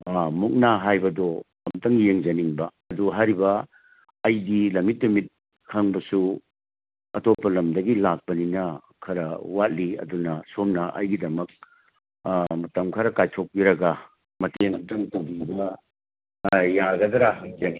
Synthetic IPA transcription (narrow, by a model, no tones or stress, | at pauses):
muk̚naɦajbɐdɔ | ɐmtɐŋɡijeŋd͡ʒɐniŋbɐɐduɦaɾibɐː | jdilɐmit̬̚limit̚ | hʰɐŋbɐsu | ɐtopːɐlɐmdɐɡilak̚pɐninɐ | kʰɐɾɐwat̚liɐ̰dunɐsomnɐʔɐ̰jɡidɐmɐk̚ | ɐtɐmkʰɐɾɐkajtʰok̚piɾɐɡɐ | mɐteŋɐmtɐŋtuɡibɐ | jaɡɐdɐɾaɦɐk̚d͡ʒeŋ